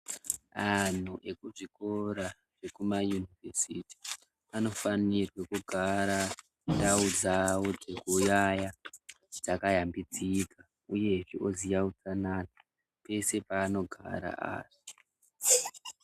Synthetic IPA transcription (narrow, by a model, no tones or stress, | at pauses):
an̤uʔe̞kuʐiko̞ɾa | ʐ̥e̞kumajunivʱesiti̥ | ano̞fanirwekuɡʱaɾa | ndaud͡zawo̞d͡ze̞kujaja | d͡zakajambid͡zika | uje̞ʐiʔozijaut͡sanana | pe̞se̞paːno̞ɡʱa̰ɾa̰ʔa̰ːʐi